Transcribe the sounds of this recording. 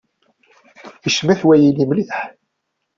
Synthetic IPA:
jəʃmæθwæjilimliðħ

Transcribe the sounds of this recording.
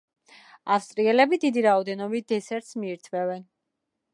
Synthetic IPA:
afst̪ʼɾiɛlɛbid̪id̪iɾaɔd̪ɛnɔbit̪̚d̪̥ɛsɛɾt̪smiːɾt̪ʰvɛvɛn

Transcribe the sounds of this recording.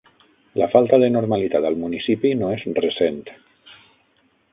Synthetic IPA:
lafalˠt̪aðənoɾmalit̪at̪əlˠmunisipinoezrəsent̪

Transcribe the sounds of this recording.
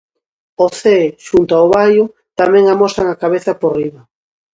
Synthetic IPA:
oθeʃunt̪oaoβajʊ | t̪amɛ̃ŋamosaŋakaβeθaporiβa

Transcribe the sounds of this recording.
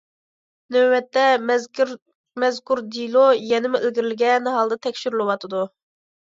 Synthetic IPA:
nøːɛt̪ːɛ | mɛzkʰuɾd̪ilˠojɛnɪmuelɡʲiɾɪlɪɡʲɛnɦɑlˠd̪ɑt̪ʰɛkʲʃyɾlˠɨwɑt̪ʰɨd̪u

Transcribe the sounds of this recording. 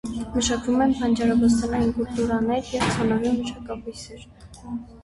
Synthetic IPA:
məʃɑkvumɛnpʰɑnd͡ʒɑɾɑvɑs̬t̪ɑnɑjinkult̪uɾɑnɛɾjɛvt͡sʰɑnɑniməʃɑkɑpujsɛɾ

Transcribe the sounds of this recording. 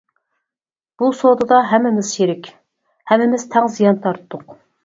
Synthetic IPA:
b̥usod̪ɨd̪ɑɦɛmːɪmɪz̥ʃeɾɪkʲ | hɛmːɪmɪz̥t̪ʰɛŋzijɑnt̪ʰɑɾt̪ʰd̪ʊq

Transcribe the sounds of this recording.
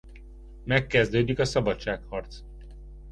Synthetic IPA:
mɛkːɛzd̪øːd̪ikɒsɒbɒtt͡ʃːaːkhɒrt̪s

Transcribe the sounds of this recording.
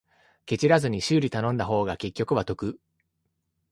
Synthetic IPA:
ke̞t͡ɕiɾazɨɲ̟iɕɨːɾʲit̪anõ̞nd̪aɦo̞ːɡake̞kʲːo̞kɯ̟βat̪o̞kɯ̟

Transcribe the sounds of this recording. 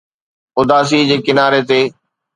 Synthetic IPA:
ʊd̪aːs̬id͡ʑeːkɪnaːɾet̪eː

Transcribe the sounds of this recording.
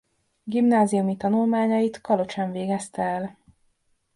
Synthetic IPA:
ɡimnaːzijumit̪ɒnulmaːɲɒjit̪kɒlo̞t͡ʃɛɱveːɡɛst̪ɛɛl

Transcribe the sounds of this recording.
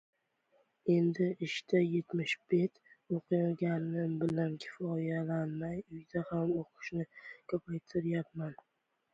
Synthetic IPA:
e̞nd̪ɪʔɪʃt̪aje̞t̪mɪʃbe̞t̪oqʰɨjaɡʲanːɪbɪlankʲʰɪ̥fɒjalanmajʊjd̪ahamoqʰɨ̥ʃnɪkʰɵpʰajt̪ʰɪɾjap̚man

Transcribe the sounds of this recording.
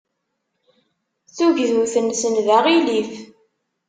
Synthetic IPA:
θuʝðuθənsənðaʁiliθ

